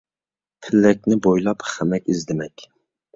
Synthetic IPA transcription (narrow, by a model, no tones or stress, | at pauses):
pʰɪlːɛk̚ʲnɪbojlˠɑpχæmɛkʲizd̪ɪmɛkʲ